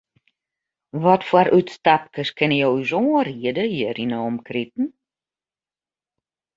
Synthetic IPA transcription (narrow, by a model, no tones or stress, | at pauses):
ʋɔtfwaɾʔytstapkəskɪnəjowysoːriədəjərinoːmkritn̩